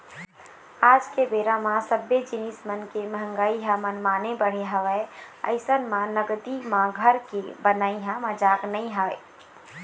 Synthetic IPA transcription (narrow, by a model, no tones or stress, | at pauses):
aːd͡ʒkebeːɾãmãsəbjed͡ʒɪnismənkeməɦə̃ŋɡaːiɦamənmaːnebəɽ̤eɦəʋɛə̰ɪsənmãnəɡd̪imãɡʱəɾkebənaːiɦãməd͡ʒaːknəĩɦae